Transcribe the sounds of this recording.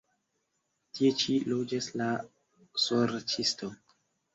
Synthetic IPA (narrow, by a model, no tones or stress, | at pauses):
tie̞t͡ʃilod͡ʒasla | soɾt͡ʃisto